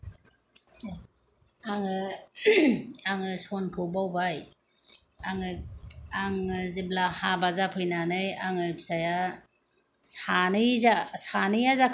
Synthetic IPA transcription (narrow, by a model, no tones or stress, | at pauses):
aŋɯ | aŋɯsɔnkʰɯbawbaj | aŋɯaŋɯziblahabazapʰɯjnanɯjaŋɯpsaja | sanɯjzasanɯjazakʰ